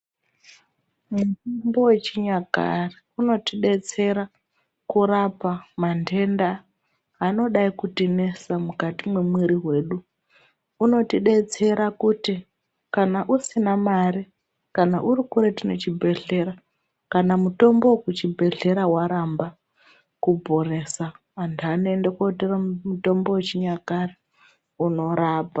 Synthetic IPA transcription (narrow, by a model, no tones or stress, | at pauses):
mutumbo̞we̞t͡ʃiɲaka̰riuno̞tiɗe̞t͡se̞ɾa | kuɾapamande̞nda | ano̞ɗaikutine̞samukatimwemwiɾiɦwe̞ːɗu | uno̞tiɗe̞t͡se̞ɾakuti | kanaʔusinamaɾi | kanaʔurikuɾetino̞t͡ʃibʱe̞ɮe̞ɾa | kanamuto̞mbo̞kut͡ʃibʱe̞ɮe̞ɾawaɾamba | kubʱo̞re̞saː | ntuanoendekoteramuto̞mbo̞wet͡ʃiɲakare | uno̞ɾaːpa